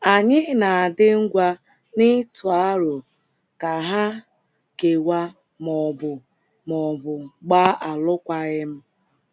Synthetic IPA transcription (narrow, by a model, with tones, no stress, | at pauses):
a˨ɲɪ˦na˨a˨dɪ˦ŋ̩˦ɡʷa˦ | nɪ˦tʊ˨a˦ɾʊ˨ | ka˨ɦa˦ | ke˨wa˦ | mɔ˨bʊ˨ | mɔ˨bʊ˨ɡ͡ba˦a˨lʊ˦kʷa˦ɣɪ˦m̩˦